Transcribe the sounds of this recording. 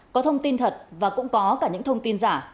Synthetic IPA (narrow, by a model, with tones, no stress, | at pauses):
kɔ˨˦t̪ʰə˧wŋ͡mt̪i˧nt̪ʰə˨˩t̚vaː˨˩kʊ̰˧˥ŋ͡mkɔ˨˦kaː˧˩ɲɨ̰˧˥ŋt̪ʰə˧wŋ͡mt̪i˧nzaː˧˩